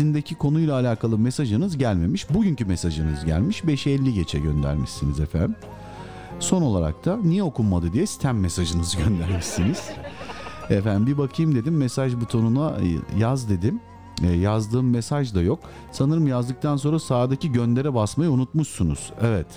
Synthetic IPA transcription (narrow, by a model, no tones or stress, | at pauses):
ind̪ecʰikʰo̞nujlʲˠaːlʲaːkalˠɯmesaʒɯnɯzɟælʲme̞miʃbuɟyɲcymesaʒɯnɯzɟæ̰lʲmiʃbɛeʃɛɛlʲːiɟet͡ʃʰɛ̰ɟø̞̰nd̪æ̰ɾmiʃsinizɛfænd̪im | so̞no̞lˠa̰ɾa̰k̚t̪ʰanijɛo̞kumːad̪ɯd̪ijɛsi̥t̪ʰæmːesaʒɯnɯzɯɟønd̪æɾmiʃsiniz̥ | efænd̪imbibakʰɯjɯmd̪e̞d̪imːesaʒbut̪ʰo̞nunajazd̪e̞d̪im | jazd̪ɯːmːesaʒd̪ajo̞k̚ | sanɯɾɯmjazd̪ɯk̚t̪ʰanso̞nɾasaːd̪aciɟø̞nd̪e̞ɾɛbasmajaunut̪muʃsunṵz̥ɛvɛt̪